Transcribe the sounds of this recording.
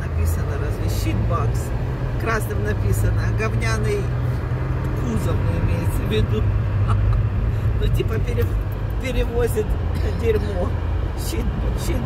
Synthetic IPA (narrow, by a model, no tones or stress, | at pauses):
nɐpʲisənəɾazvʲɪɕit̪baks | kɾasnɨmnɐpʲisənəɡɐvnʲanɨj | kuzəmɨɪmʲejɪt̪səvʲɪd̪u | notʲipəpʲɪɾʲɪ | pʲɪɾʲɪvozʲɪt̪ | dʲɪɾʲmo | ɕit̪ɕi